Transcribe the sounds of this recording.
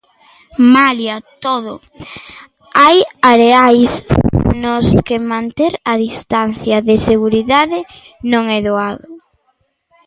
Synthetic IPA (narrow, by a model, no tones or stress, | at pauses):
maljat̪oðʊ | ajaɾeajsnʊskemãnt̪eɾɐðist̪anθjɐðɪseɣuɾiðaðɪ | nõŋɛðoaðʊ